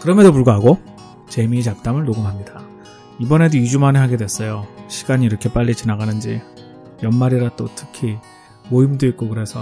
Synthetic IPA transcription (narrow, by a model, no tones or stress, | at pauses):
kɯɾʌmedopuɭɡaɦaɡo | t͡ɕe̞miːt͡ɕap̚t͈amɯɭnoɡɯmɦamɲida | ibʌne̞doid͡ʑumaneɦaɡe̞dwe̞s͈ʌjoɕʰi̥ɡaɲiːɾʌkʰe̞p͈aʎːit͡ɕinaɡanɯnd͡ʑi | jʌnmaɾiɾat͈otʰɯ̥kʰi | moimdoik͈okɯɾe̞sʰʌ